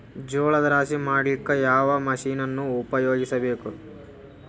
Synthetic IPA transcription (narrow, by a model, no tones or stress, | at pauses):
d͡ʒoːɭɐd̪ɐɾaːsimaːɽlikːɐjaːʋɐmɐʃiːnɐnːuːpɐjoːɡisɐbe̞ːku